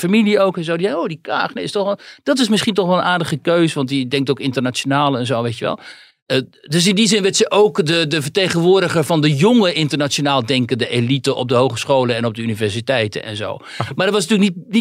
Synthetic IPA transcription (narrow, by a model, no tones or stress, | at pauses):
familiowkɛnzodiowdika̰ːχneɪstɔχd̥ɑtɪsmɪsχintɔχʋɛlˠənaːɹdəχəkøɥsəʋɑntidɛŋk̚towkɪntərnat͡ʃonaːləɛnzowʋejtjəʋɛ̰lˠ | ədɵs̬ɪndizɪnʋɛtsəʔowkdədəfəɹtejχənʋʊːɹdəχəɹvɑndəjʊŋəʔɪntərnat͡ʃonaːlˠdɛŋkəndəʔelitəʔɔ̰p̚dəɦowχəsχowləɛnɔb̚dəynivɛɹsitɛjtə̰nʔɛ̰nzo̰w | maːɹdətʋɑs̬natyːləknini